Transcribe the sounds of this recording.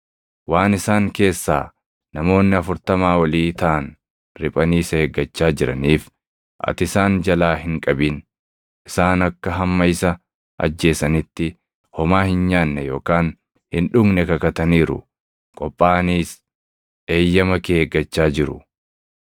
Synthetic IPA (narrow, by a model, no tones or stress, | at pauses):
waːnɪsaːŋke̞ːsːa̰ː | nɐmo̞ːnːɪɐfʊɾt̪ɐmaːwɐliːt̪ɐʔɐn | ɾɪpʼɐniːsɐheːɡːɐt͡ʃːaːd͡ʒɪɾɐniːf | ʔɐ̰t̪ɪsaːnd͡ʒɐlaːɦɪŋkʼɐbin | ʔɪsaːnɐkːɐɦɐmːɐɪsɐ | ʔɐ̰d͡ʒːe̞ːsɐnɪt̪ːɪ | hɔmaːhɪnɲaːnːɛjo̞ːkaːn | hɪnᶑʊɡnɛkɐkɐt̪ɐniːɾʊ̰ | kʼɔpʼːaːniːs | ʔe̞ːjːɐmɐkeːɡːɐt͡ʃːaːd͡ʒɪɾʊ̰